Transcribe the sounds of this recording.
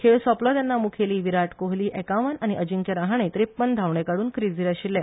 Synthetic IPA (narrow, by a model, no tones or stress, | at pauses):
kʰeɭsɔplɔt̪janːamukʰeliːʋiɾaʈkoɦliːʔɛkaʋanañiʔəd͡ʑiŋkjaɾaɦaɳ̃et̪ɾepːənd̪ʱaʋɳɛkaɽuːnkɾid͡ziːɾaɕilːɛ̃